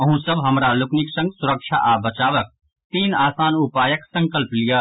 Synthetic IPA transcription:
ɐɦũsɐbɦɐmɾalʊknɪksɐ̃ŋɡsʊɾəkʃa̰ʔaːbɐt͡ʃaːʋək̚ | t̪iːnaːsaːnʊpaːjəksɐ̃ŋkəlplijaː

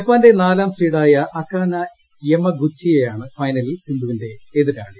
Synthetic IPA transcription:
epːaːnde̞naːlaːmsriːɽaːjɐʔɐkːaːnɐ | emːɐɡut͡ɕʰːijejaːɳɨfɐjnɐlilsind̪ʱuʋinde̞eðiɾaːɳɨ

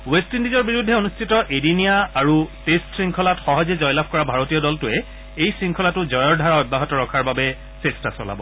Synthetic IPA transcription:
westindizɔɹbiɹudʱːɛonustʰitɔʔedinijaaɹutestsɹiŋkʰɔlatxɔɦɔzɛzɔjlab̚ʰkɔɹabʱaɹotiɔdɔltʊɛ | ejsɹiŋkʰɔlatʊzɔjɔɹdʱaɹaɔbːaɦɔtɔɹɔkʰaɹbabɛ | sestasɔ̰la̰bɔ̰

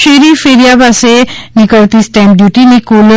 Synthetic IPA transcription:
ʃeɾifeɾiabasenikɔt̪isʈamɖjuʈinikol

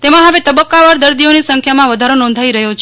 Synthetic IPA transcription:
t̪emãɦəʋet̪əbəkːaʋaɾd̪əɾd̪ionisə̃ŋkʰjamãʋəd̪ʱaɾonɔ̃nd̪ʱaiɾəɦjot͡ʃʰ

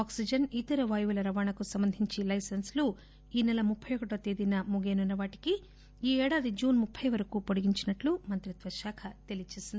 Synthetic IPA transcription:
aːksid͡ʒɐnit̪ɐɾɐʋaːjʋulɐɾɐʋaːɳɐkusɐmbɐnd̪ʱiɲt͡ʃilɐjsɐnslu | iːnɛlɐmupʰːɐjokɐʈɐt̪eːd̪inɐmuɡeːnunːɐʋaːʈi̥ki | iːɛːɽaːd̪id͡ʒuːnmupʰːɐjʋɐɾɐkupoɽiɡiɲt͡ʃinɐʈlumɐnt̪ɾit̪ʋɐʃaːkʰɐt̪elijt͡ʃeːsind̪i

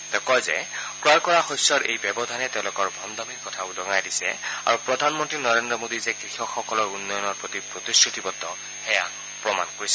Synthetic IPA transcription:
t̪ɛkɔjzɛ̰kɹaɹkɔɹaxɔjsɔɹʔḛjbɛbɔdʱanɛtɛʊ̃lʊkɔɹbʱɔmd̪amiɹkɔtʰaʊdɔŋajdisɛ̰a̰ɹupɹɔdʱanmɔntɹinɔɹendɔmodizɛɡɹixɔkxɔkɔlɔɹunːɔjɔnɔɹpɹot̪ipɹot̪iskɹut̪ibɔtːɔ | xɛja | pɹɔma̰nkoɹisɛ

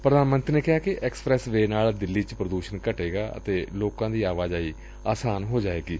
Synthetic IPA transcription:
pɾəd̪aːnmə̃nt̪ɾneːkɪɦaːkɪʔɛːkspɾɛːsʋeːnaːld̪ɪlːiːt͡ʃpɾəd̪uːʃənkəʈeːɡaːʔə̰t̪eːloːkãːd̪iːaːʋaːd͡ʒaːiː | aːsaːnɦoːd͡ʒaːeːɡiː

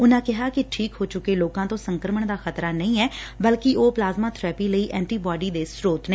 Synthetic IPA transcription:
ʊnãːkɪɦaːkɪʈʰiːkɦoːt͡ʃʊkːeːloːkãːt̪õːsəŋkɾəməɳd̪aːxət̪ɾaːnəĩːɛːbəlkɪʔoːplaːzmaːt̪ʰɾɛːpiːləiːʔɛ̃ːɳʈiːbaːɖiːd̪eːsɾoːt̪nə

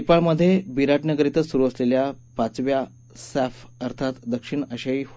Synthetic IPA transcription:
ipaɭməd̪ʱːjebiɾaʈnəɡəɾit̪əsuɾuəsleljapat͡sʋja | sæfəɾt̪ʰat̪d̪əkʂiɳəɕai

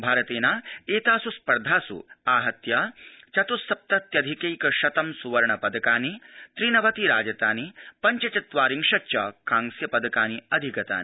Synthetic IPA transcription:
bʱaːɾɐt̪eːnaːeːt̪aːsuspɐɾd̪ʱaːsṵaːɦɐt̪jat͡ʃɐt̪usɐp̚t̪ɐt̪jɐd̪ʱikejkɐʃɐt̪ɐmsuʋɐɾɐɳɐpɐd̪ɐkaːnit̪ɾiːnɐʋɐt̪iɾaːd͡ʒɐt̪aːnipɐɲt͡ʃɐt͡ʃɐt̪ʋaːɾiŋʂɐt͡ʃɐkaːŋsjɐpɐd̪ɐkaːniɐd̪ʱikɐt̪a̰ːni

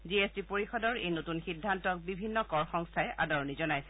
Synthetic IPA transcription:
ziesdipoɹixɔdɔɹejnotunxidʱːantɔk̚bibʱinːɔkɔɹxɔŋstʰajʔʔa̰dɔɹɔnizɔnajsɛ

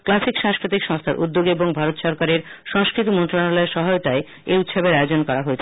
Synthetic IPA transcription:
klasikʃãŋskɾit̪ikʃɔŋst̪ʰaɾʔṵd̪ːoɡeboŋbʱaɾot̪ʃɔɾkaɾeɾʃɔŋskɾit̪imɔnt̪ɾanalɔeɾʃɔɦaeot̪ae | eut̪ʃobeɾaeod͡ʑonkɔɾaɦoet͡ɕʰe

